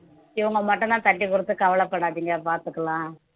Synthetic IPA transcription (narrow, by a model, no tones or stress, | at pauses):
iʋɐŋɡɐmɐʈːɐnaːnt̪ɐʈːikːurɨt̪ːɨkɐʋɐɭɐpːeɽaːɐðiŋɡapaːɾt̪ɯkːɐɭãː